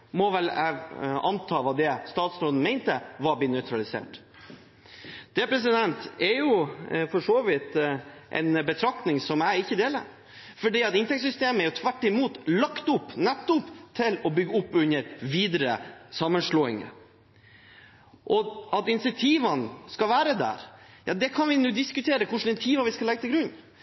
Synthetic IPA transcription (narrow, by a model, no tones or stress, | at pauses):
mɔʋɛl | ɑ̰nt̪ʰɑːʋɑːd̪ɛst̪ɑːt̪sɾoːd̪n̩mɛɪnt̪əʋɑbɪːnœʏt̪ʰɾɑlɪsḛːʈ | d̪̥ɛpʰɾɛs̬ɪd̪ɛnt̪ɛɾjʊfɔʂoːʋɪt̪ | ʔɛ̰ɪnbət̪ʰɾɑk̚t̪nɪŋsɔmæɪɪçːəd̪eːlə̰ɾ | fɔɖiːɑt̪ɪnt̪ɛksʏst̪eːməæɾjʊt̪ʰʋæʈːɪmuːt̪lɑkt̪ʊpːnɛt̪ːɔpt̪ʰɪlɔbʏɡːəʊpːʉnːəɾʋiːd̪ɾə̰sɑmːənʂloːɪ̰ŋə̰ | ʔɔɑt̪ɪnsɪt̪ʰiːʋənskɑlʋæːɾəd̪æ̰ɾjɑ̰ːd̪ɛkʰɑnʋɪnuːd̪ɪskʉt̪ʰeːɾəkʰʊʂn̩ɪnt̪ʰiːʋɑʋɪskɑlɛɡət̪ʰɪlɡɾʉnː